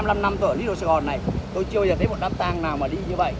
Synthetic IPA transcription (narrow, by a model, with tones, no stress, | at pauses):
mla˧mna˧mt̪wə̰˧˩lḭ˧˦˥ɗo̰˧˨sa˧˩ɣɔ˨˩nːa˨˩jt̪o˧jt͡ɕɨ˧ba˧zəː˨˩t̪ʰə˦jmo˨˩t̚ɗaː˨˦˥p̚t̪aː˧ŋnaː˨˩wmaː˨˩ɗi˧ɲɨ˧və̰˧˨ʔ